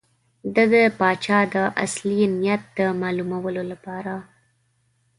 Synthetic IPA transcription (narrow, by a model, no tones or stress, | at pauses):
d̪əd̪əpɑt͡ʃɑd̪əʔa̰slimnijat̪̚d̪əmɑlumawəlolapɑɾa